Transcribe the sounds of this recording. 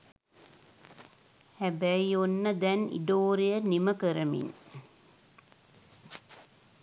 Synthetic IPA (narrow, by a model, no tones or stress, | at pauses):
hæbæionːəd̪ɛnḭɖoːɾijəniməkəɾɐmḭn